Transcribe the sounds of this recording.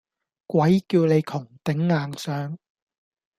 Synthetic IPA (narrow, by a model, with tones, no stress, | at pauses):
kwʷɐ˨˥jkiː˧wle˨˧jk̪ʰʊ˨˩ŋt̪ɪ˨˥ŋːaː˨ŋsœː˨˥ŋ